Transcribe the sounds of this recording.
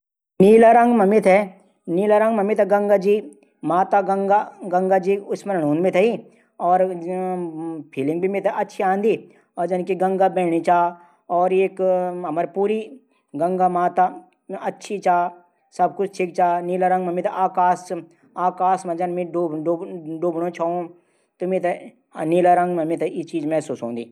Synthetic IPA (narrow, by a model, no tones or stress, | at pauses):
niːlaɾə̃ŋɡmɐmɪt̪ʰɦɛ | niːlaɾə̃ŋɡmɐmɪt̪ɛɡɐ̃ŋɡad͡ʒi | maːt̪aɡəŋɡaɡɐ̃ŋɡad͡ʒiːʊsmənɐnuːnmɪt̪ʰɐi | ɔːɾ | pʰiːlɪ̃ŋɡ̚bʱimɪt̪ʰɦɛʔɐtːʃʰiãːnd̪i | ɔːɾd͡ʒɐnkiɡɐ̃ŋɡabɛːɽ̃it͡ʃaː | ɔːɾeːkɐməɾpuːɾi | ɡɐ̃ŋɡamaːt̪a | ɐtːʃʰit͡ʃaː | sɐb̚kʊt͡ʃʰʈʰɪkt͡ʃaːniːlaɾɐ̃ŋɡmemẽt̪ʰeʔaːkaːs | aːkaːsmɐ̃d͡ʒɐnmẽoɖoɖoːbɽ̃õt͡ʃʰaõ | t̪omet̪e | niːlaɾɐŋɡmemĩt̪ʰeit͡ʃiːd͡ʒmɛːsuːsɦõ̰ːnd̪iː